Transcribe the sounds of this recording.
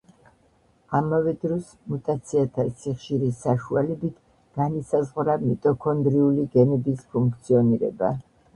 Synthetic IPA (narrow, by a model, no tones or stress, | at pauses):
amavɛd̪ɾɔs | mut̪ʼat̪sʰiat̪ʰasiχʃiɾisaʃualɛbit̪ʰ | ɡ̥anisazʁɾamit̪ʼɔkʰɔnd̪ɾiuliɡɛnɛbispʰuŋk̚ʰt̪sʰiɔniɾɛ̰ba̰